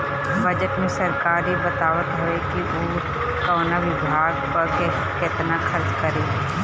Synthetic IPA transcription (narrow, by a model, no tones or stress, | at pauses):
bɐd͡ʒəʈmẽsɐɾkaːɾibɐt̪aːʋət̪ɦɐʋekiʔoː | kɔːnaʋɪbʱaːɡpɐɾke | ket̪nakʰɐɾt͡ʃkɐɾeː